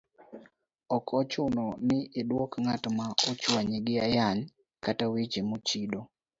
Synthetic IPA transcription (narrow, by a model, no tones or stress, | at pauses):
ɔkʰɔt͡ʃʊnɔnɪʔːdwɔkŋatmaot͡ʃwaɲeɡɪajaɲ | katawit͡ʃemot͡ʃido